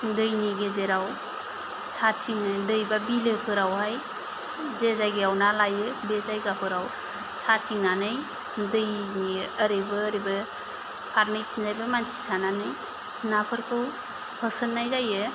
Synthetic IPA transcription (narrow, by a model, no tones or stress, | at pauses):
dɯjniɡezeɾaw | satʰiŋɯdɯjbabilɯpʰɯɾawɦaj | zezajɡeawnalajɯbezajɡapʰɯɾaw | satʰiŋnanɯj | dɯjniəɾɯbɯːɾibɯ | pʰaɾnɯjtʰinzajbɯmansi̥tʰananɯj | napʰɯɾkʰɯw | hʰəsɯnːajzajɯ